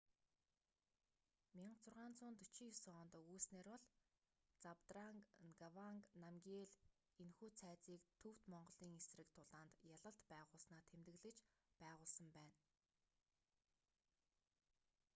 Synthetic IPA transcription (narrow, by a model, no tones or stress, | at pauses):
mʲiɴɢt͡sʰʊrʁaːnt͡sʊːnt̪ɵt͡ɕiːsɔːnt̪uːsneːrwɔɮ | t͡sapt̪raŋɡawaŋknamɡʲeːɮ | enxuːt͡sʰæːt͡siːkt̪ʰɵw̥t̪mɔɴɢɞ̆ɮiːŋesrɘ̆kt̪ʰʊɮaːnt̪jaɮə̆ɬt̪pæːʁʊːɮsnaːt̪ʰemt̪ɘ̆ɣɮɘ̆t͡ɕpæːʁʊːɮsə̆mpæːn